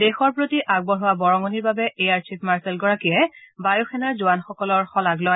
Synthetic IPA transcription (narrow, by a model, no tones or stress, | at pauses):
dexɔɹpɹotiʔaɡ̚bɔɹɦʊwabɔɹɔŋɔniɹbabɛejaɹt͡ʃʰipmaɹsɛlɡɔɹakijɛbajuxʰɛnaɹzʊwanxɔkɔlɔɹxɔlaɡlɔj